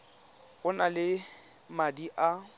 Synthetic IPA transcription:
ɣʊnalɪmadiʔa

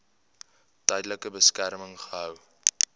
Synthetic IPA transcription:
tɛjdələkəbəskærməŋχəɦœw

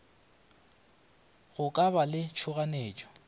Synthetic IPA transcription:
ɣʊkʼaβalɪt͡ʃʰʊɣaneːt͡ʃʼɔ̥

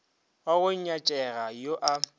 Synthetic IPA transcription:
aɣʊɲ̩ɲat͡ʃʼɛɣajoʔa

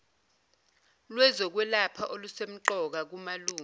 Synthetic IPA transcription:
lwɛzɔk̬wɛlapʰaʔolusem̩ǃɔk̬ak̬umaluːŋ

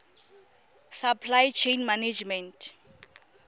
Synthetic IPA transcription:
sapʰlajt͡ʃʰejnmaned͡ʒmɛntʰ

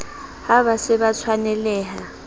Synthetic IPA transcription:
haβasɪβat͡sʰwanɛlɛːɦa

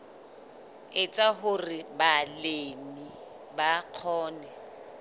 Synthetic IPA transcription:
ɪt͡sʼaɦʊrɪbalemi | baq͡χʰɔːnɛ

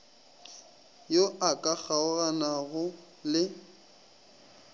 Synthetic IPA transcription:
joʔakʼak͡xaʊɣanaɣʊ | lɪ

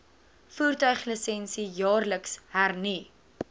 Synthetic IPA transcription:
fuːrtœɥχləsɛnsijɑːrləkshærni

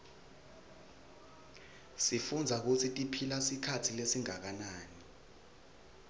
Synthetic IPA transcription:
sifund͡zʱak̬utʰitʼipʰilasikʰatʰilesiŋak̬anaːni

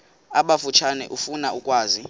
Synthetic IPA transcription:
aɓafut͡ʃʰanɛ̰ʔufunaukʼwaːzi

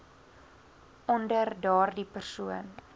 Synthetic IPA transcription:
ʔɔndərdɑːrdipərsuən

